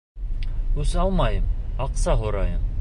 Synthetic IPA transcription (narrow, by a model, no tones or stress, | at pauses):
hʉsɑlˠmɑjɤmɑqsɑɦoɾɑjɤm